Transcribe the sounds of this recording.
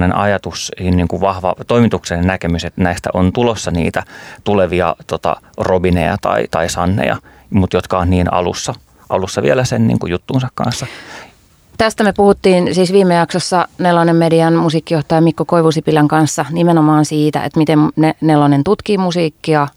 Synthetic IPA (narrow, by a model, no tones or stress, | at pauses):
nenʔɑjɑt̪ushinniːŋkuʋʋɑhʋɑ̰t̪oimit̪uksennnækemyset̪næist̪æ̰ʔont̪ulosːɑnḭːt̪æt̪uleʋiɑ̰t̪ot̪ɑ̰robinḛjɑ̰t̪ɑ̰it̪ɑisɑnːḛjɑ̰ | mut̪jot̪kɑonniːnɑ̰lṵsːɑ | ʔɑlusːɑʋielæsennḭːŋkujut̪ːuːnsɑkkɑ̰̃nsːɑ | t̪æst̪æmepuhut̪ːiːnsiːsʋiːmːˑejɑksosːɑnelːonemmediɑnmusiːkːijoht̪ɑjɑmikːokoiʋusipilæŋkɑnsːɑnimenomɑːnsiːt̪æ̰ḛt̪mit̪emnenelːonent̪ut̪kiːmusiːkːiɑ